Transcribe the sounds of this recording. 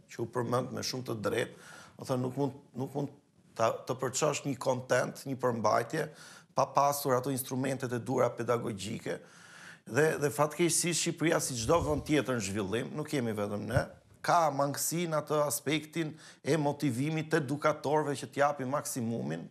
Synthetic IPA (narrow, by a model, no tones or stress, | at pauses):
cəupəɾmənd̪mɛ̰ʃumt̪əd̪ɾɛt̪̚uθənːukmunnukmund̪ | t̪əpəɾt͡ʃɔʃt̪ɲəkɔnt̪ɛnt̪ɲəpəɾmba̰jt̪jɛpapasuɾat̪ɔinst̪ɾumɛnt̪ɛt̪ɛd̪uɾapɛd̪aɡɔɟḭkɛ | ðɛðɛfat̪kɛʃsiʃipɾiasid͡ʒd̪ɔvənt̪ːjɛt̪əɾnəʒvilˠimnukjɛmivɛt̪əmnɛ | kamaŋɡsinat̪əaspɛkt̪in | ɛmɔt̪ivimit̪ːɛd̪ukat̪ɔɾvɛcət̪əjapimaksimumin